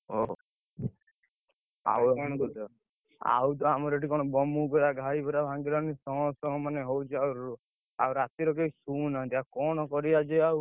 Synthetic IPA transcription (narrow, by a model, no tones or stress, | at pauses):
o | a̰wɔkɔnɔkɔt̪ɔ | a̰wt̪ɔamɔɾeʈikɔɽ̃ɔbɔmubɔɾaɡʱajbɔɾabʱãŋɡiɾanisɔ̃ɦɔ̃sɔ̃ɦɔ̃maneɦowt͡ʃʰiawɾu | awɾat̪iɾɔk̬esunãt̪iakɔɽ̃ɔkɔɾiad͡ʒeaw